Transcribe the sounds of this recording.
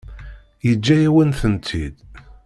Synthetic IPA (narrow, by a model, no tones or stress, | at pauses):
jəd͡ʒːæjæwənθənt̪ʰid̪